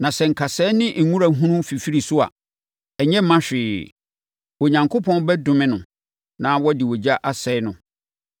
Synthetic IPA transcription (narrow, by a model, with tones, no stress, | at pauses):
nã˨sɛ˨ŋ̩˨kʰa˨sɛ˦nɪ̃˦ŋ̩˨ŋũ˦ɾa˨ɦũ˦nũ˦fi˨fi˦ɾi˨sʊ˦a̰˨ | ɛ˨ɲɛ̃˦mã˦ɕᶣɪː˨ | wɔ˨ɲã˨ŋkʰo˦pʰɔ̃˦n˦bɛ˦dʊ̃˨mɪ̃˦nʊ̃˨ | nã˦wɔ˦dɪ˨wɔ˨d͡ʑa˦ʔa˨sɛ˨˦ɪ˦nʊ̃˨